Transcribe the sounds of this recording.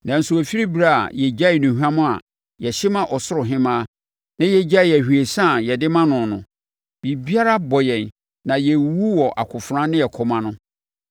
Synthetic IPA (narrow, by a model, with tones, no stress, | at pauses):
nã˨n̩˨sʊ˨æ˨fi˦ɾi˦bi˨ɾa˦˨a̰˨jɛ˨d͡ʑa˦ɪ˨nũ˨hᶣu˦a˦mʊ̃˦a̰˨ | jɛ˨ɕɪ˦mã˦ʔɔ˨sʊ˦ɾʊ˨ɦɪ̃˦mãː˦ | nã˦jɛ˨d͡ʑa˦ɪ˨æ˨hu˨e˨sã˦˨jɛ˨dɪ˦mã˦nʊ̃˨nʊ̰̃˨ | bi˨bi˦a˦ɾa˦bɔ˨jɛ̃˨n | nã˨jɛ˨wu˦wɔ˨ʔa̰˨kʰʊ˨fɾã˦nɪ̃˦jɛ˨kʰɔ˨mã˦nʊ̃˦